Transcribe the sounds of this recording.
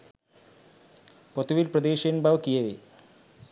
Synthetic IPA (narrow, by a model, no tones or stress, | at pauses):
pot̪uʋilprɐd̪eːɕenbɐʋkijɐʋi